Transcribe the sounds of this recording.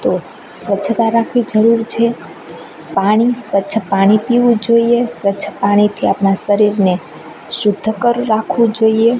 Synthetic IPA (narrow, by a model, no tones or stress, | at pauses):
t̪o | sʋətːt͡ʃʰt̪aɾakʰʋid͡ʒəɾuɾt͡ʃʰe | paɽ̃isʋətːʃʰəpaɽ̃ipiʋũd͡ʒoiesʋətːʃʰəpaɽ̃it̪ʰiapnaʃəɾiɾne | ʃʊd̪ʱːəkəɾːakʰʋũd͡ʒoie